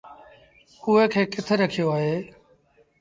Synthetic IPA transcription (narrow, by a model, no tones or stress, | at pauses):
ʊɦeːkʰeːkɪt̪ʰeɾəkʰijoːaːɦeː